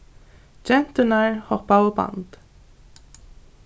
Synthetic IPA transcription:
d͡ʒɛnt̪ənaɹhɔpaoba̰nd̪̥

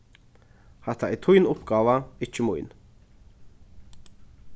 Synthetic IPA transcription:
hɛht̪aɛt̪ʰʊjnʊpɡɑːʋaɪt͡ʃːəmʊ̰jn

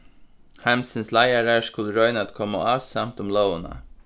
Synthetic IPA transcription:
hæmsənslæɪaɾəskʊləɾɔʏnat̪kʰɔmːa̰ɑːsɑmt̪ʊmlɔwəna̰

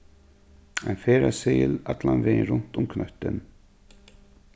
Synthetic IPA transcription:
ɛnfɛːɾaseːjɪlat̪lanvɪðɪnrʊn̥t̪ʊmkʰnœht̪ʏn

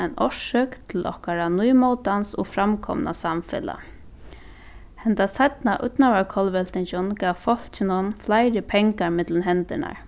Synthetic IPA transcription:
ajnɔʂœkt̪ʰɪlɔ̰hkaɾanujmɔwt̪ansɔ̰fɾamkʰɔ̰mna̰samfɪ̰la̰ | hɛnt̪asat̪naʔʊ̰t̪naʋaɹkʰɔlʋɛl̥t̪ɪnt͡ʃɔnkaːʋfɔl̥t͡ʃɪnʊnflajɾɪpʰɛŋkaɹmɪt̪lɪnɦɛnt̪ɪna̰ɹ

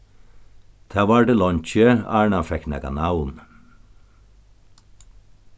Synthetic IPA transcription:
t̪ʰæːʋɑːɖəlɔnc͡çəæːɳɑfɛknɛ̰ɡɑ̰nɑwn

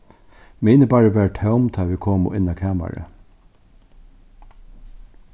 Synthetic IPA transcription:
meːnəbɑːɹəʋæːʈʰaʊmt̪ʰɑːʋɪkʰoːmʊ̰ʔɪnɑkʰæːmɑ̰ɾə̰

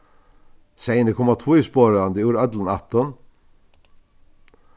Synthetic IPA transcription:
sæɪnəkʰɔmɑt̪ʰuːispoːɾəɑnd̪əjuːɾœd̪lən̩ɑ̰t̪ɔn

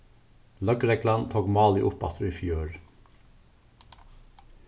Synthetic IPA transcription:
lœkɾɛɡlɑnt̪ʰoːɡmɑːlḭʔʊpɑ̰t̪ʰɾʊiːfjøːɹ

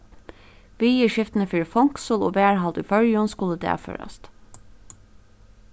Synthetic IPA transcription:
ʋiːiːʃɪft̪n̩əfyːɾfɔŋksoːloːbeːæɹhɑld̪ʉːfœɾjɔnskuːləd̪ḛfø̰ɾɑ̰st̪

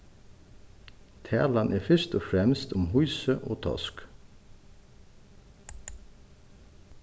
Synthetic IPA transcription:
t̪ʰæ̰ːlɑnʔeːfʏʃt̪ɔːfɾɛmst̪ʰʊmhuʏsəʔo̰ːt̪ʰɑ̰sk

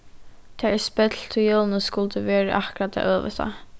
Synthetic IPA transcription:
t̪ʰɛːɛspɛt̪lt̪ʰɪjoːlnəskʊlt̪əʋɛːɹəʔahkɾat̪ːʰa̰ʔøːʋə̰st̪a̰

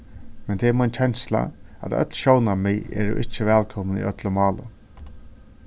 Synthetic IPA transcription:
mɛnt̪ʰeːɛmɔjnt͡ɕʰɛnsla̰æ̰t̪œ̰t̪lʃownamɪjɛ̰ːɾʊ̰ʔɪht͡ʃːɪʋɛːlkʰɔmnḭʔœt̪lʊmɑːlʊ̰

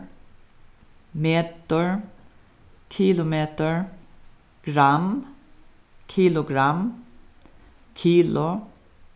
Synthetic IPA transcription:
meːt̪əɹ | kʰiːlʊmeːt̪əɹ | ɡ̥ɾam | kʰiːlʊɡɾam | kʰiːlʊ

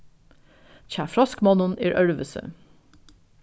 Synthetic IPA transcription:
çæːfɾɑskmɑnʊnḭːɾʔœɹʋəsə̰

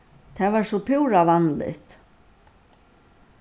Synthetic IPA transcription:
t̪ʰɛːvaɹsɔpʰuwɾavanlɪ̰ht̪

